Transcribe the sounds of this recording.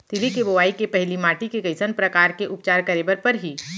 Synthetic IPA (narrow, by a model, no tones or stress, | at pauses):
t̪ɪlikeboʋaːikepɛɦlimaːʈikekɐɪsənpɾɐkaːɾkeʔʊpt͡ʃaːɾkɐɾeːbəɾpɐɾɦiː